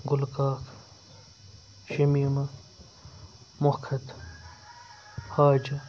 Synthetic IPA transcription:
ɡʊlkaːkʰ | ʃemimɐ | mʊkʰɐt̪ | haːd͡ʒ

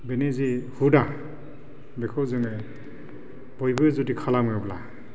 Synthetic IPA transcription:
benizihuda | bekʰɔwzɯŋe | b̥ɔjbɯzudikʰalamɯbla̰

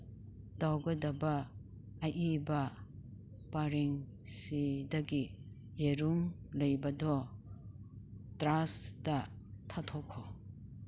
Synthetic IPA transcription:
d̥awɡadabaː | ʔiba | paɾeŋ | sidaɡi | jeɾuŋ | lejbadɔ | tɾasda | tʰatʰɔkʰːɔ

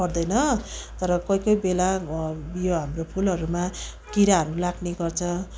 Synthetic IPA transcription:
ʌrd̪ʌjnʌt̪ʌɾʌkʌjkʌjbela | joɦamropʰulʌɾuma | kiɾaɦʌɾulaɡneɡʌrt͡sʰʌ

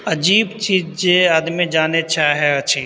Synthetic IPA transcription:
ɐd͡ʒiːbt͡ʃiːd͡ʒd͡ʒeaːd̪mid͡ʒaːnet͡ʃʰaɦɛɐtːʃʰiː

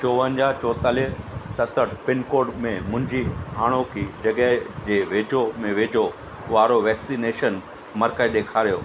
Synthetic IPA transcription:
t͡ɕoːʋə̃ɲd͡ʑaːɦt͡ɕɔːt̪aːliɦsɐt̪əʈpɪnkoːɖmẽmʊ̃ɦɪ̃ɲd͡ʑiɦaːɽ̃okʰid͡ʑɐɠəɦd͡ʑeːʋeːd͡ʑʱomẽʋeːd͡ʑʱo | ʊʋaːɾoʋɛːksineːʃən | mɐɾkəɗeːkʰaːɾijoː

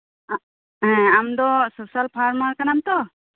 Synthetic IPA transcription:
ɦɛ̃amd̪ɔsosalpʰaɾmaɾkanamt̪ɔ

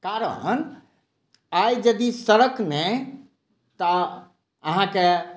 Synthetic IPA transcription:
kaɾə̰n | ajd͡ʒəd̪isəɾəknɛ | t̪ə | əɦãke

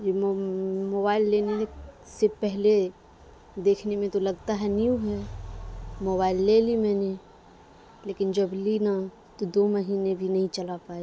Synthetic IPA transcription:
d͡ʒi | moːbaːɪlːeːne | sepɛɦle | d̪eːkʰnemẽt̪olɐɡt̪aɦɛniũɦɛ | moːbaːɪlːelimɛːne | leːkɪnd͡ʒəblina | t̪od̪oməɦiːnebʱinɐɦĩt͡ʃəlapaːe

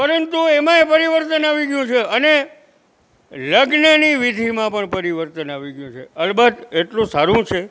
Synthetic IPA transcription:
pəɾənt̪uemãepəɾiʋəɾt̪ənaʋiɡjũt͡ʃʰeəne | ləɡnəniʋid̪ʱimãpəɳpəɾiʋəɾt̪ənaʋiɡjũt͡ʃʰeəlbəd̪eʈlũsaɾũt͡ʃʰe

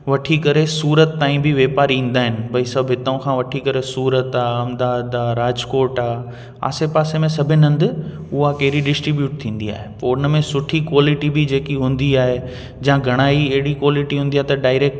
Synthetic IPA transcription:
ʋɐʈʰikɐɾesuːɾət̪ːaːĩbʱɪʋeːpaːɾĩːn̆d̪aːɦɪnɪ̆bɐisɐbʱɦɪt̪əʊ̃kʰãːʋɐʈʰikɐɾesuːɾət̪aːɐmd̪aːd̪aːɾaːd͡ʑkoːɾʈaː | a̰ːsepaːsemẽsɐbʱɪɐ̃nd̪ɪ | ʊɦakɐɦɪɾiɖɪsʈɾibjuːʈ̚t̪ʰĩːn̆d̪ia̰ːɦepoʊnmẽsʊʈʰikwaːlɪʈibid͡ʑeːkiɦũːn̆d̪iaːɦe | d͡ʑããɡʱɐɽ̃aːiɐɦɪɽikwaːlɪʈiɦũːnd̪iaːɦet̪ɐɖaːɪɾeːk̚ʈ

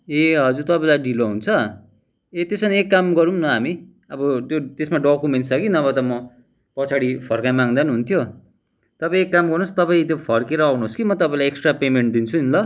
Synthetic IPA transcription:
eɦʌd͡zuɾt̪ʌpaĩlajɖiloɦunt͡sʰʌ | et̪esʌnekːamɡʌɾumnʌɦami | ʌbʌt̪jot̪esmaɖokumensʰʌɡinʌbʌt̪ʌmʌ | pʌt͡sʰaɽipʰʌrkajmaŋd̪anɦunt̪ʰjo | t̪ʌpaĩekːamɡʌrnust̪ʌpaĩt̪̬jopʰʌrkeɾʌːwnuoskimʌt̪ʌpãĩlajeksʈrapemeɳʈ̚d̪int͡sʰuinlʌ

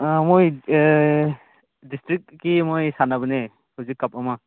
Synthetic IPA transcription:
moj | distɾik̚ːimojsanabɯne | hɯzikːap̚ama

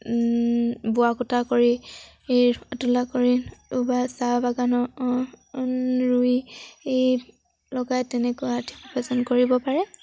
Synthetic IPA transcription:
bʊakutʰakoɹi | ejatulakoɹiubasabaɡanɔ | ɹujej | lɔɡajtɛnɛkaatʰi̥pɹɔpʰɛsɔnkoɹibɔpaɹɛ

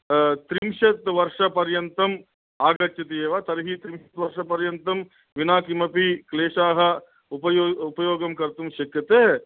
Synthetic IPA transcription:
t̪ɾimʃɐt̪ʋɐɾʂɐpɐɾjɐnt̪ɐm | aːɡɐt͡ʃːɐt̪ieːʋaːt̪ɐɾɦiːt̪ɾimʃɐt̪ʋɐɾʂɐpɐɾjɐnt̪ɐm | ʋinaːkimɐpikleːʂaːɦɐ | upɐjoːupɐjoːɡɐmkɐɾt̪umʃɐkjɐt̪eː

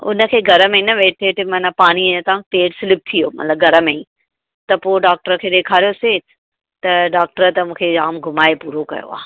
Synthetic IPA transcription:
ʊ̰nə̆kʰeːɡʱɐɾəmẽnɐʋeːʈeːʈmɐnəpaːɽ̃ĩt̪ɐãʈeːʈsɪlɪp̚t̪ʰijoːmɐ̰t̪ləbɡʱɐɾəmẽĩ | t̪ɐpoːɖaːk̚ʈəɾkʰeːd̪eːkʰaːɾijoseː | t̪ɐɖaːk̚ʈəɾət̪ɐmũːkʰeaːmɡʱʊmaːepuːɾokɐ̰jo̰a̰ː

